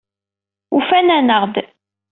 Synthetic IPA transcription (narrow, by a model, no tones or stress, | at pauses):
ufænænəʁd̪